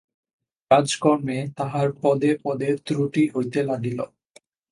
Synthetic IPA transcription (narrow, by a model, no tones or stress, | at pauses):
kad͡ʑkɔɾmet̪aɦaɾpɔd̪epɔd̪eɾt̪ɾuʈiɦojt̪elaɡilo̰